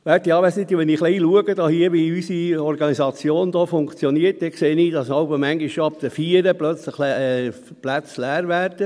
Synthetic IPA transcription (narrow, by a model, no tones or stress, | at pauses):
ʋæɾtiɑːʋæsnɪt̪iʋɛniːχliːluəɡəd̥ɑhiəʋiysiɔɾɡɑnizɑt͡sjoːnd̪oːfʊŋkt͡sjɔniət̚dɛkseːniːd̥ɑsɑʊbəmæŋɡiʃʃoɑp̚d̪əfiːɾəplœt͡sləlɛ | plæt͡slæːɾʋæːɾd̥ə